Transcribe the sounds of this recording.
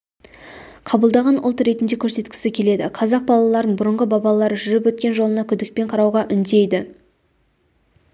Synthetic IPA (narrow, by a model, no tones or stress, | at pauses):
qʰɑbəlˠd̪ɑʁɑnʊ̰lˠt̪ɾe̞t̪ɪnd̪e̞kʲʰɵɾse̞t̪kʲɪ̥sɪkʲʰe̞le̞d̪ɪqʰɑzɑq̚bɑlˠɑlˠɑɾənbʊɾəɴʁəbɑbɑlˠlˠɑɾʒʏɾɪpwɵt̪̚kʲe̞nʒo̞lˠənɑkʲʰʏd̪ɪk̚pe̞ɴqʰɑɾɑwʁɑʔʏnd̪e̞jd̪ɪ